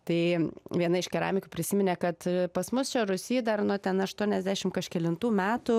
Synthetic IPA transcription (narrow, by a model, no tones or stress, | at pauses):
t̪ɐɪʋʲiɛnɐɪʃkʲɛɾɑːmʲɪkʲuːpʲɾʲɪsʲɪmʲɪnʲeːkɐt̪pɐsmʊst͡ʃʲɛɾʊsʲiːd̪ɐrnut̪ʲɛnɐʃt̪uɔnʲɛzʲd̪ʲæːʃʲɪmkɐʃkʲɛlʲɪnt̪uːmʲæːt̪ʊ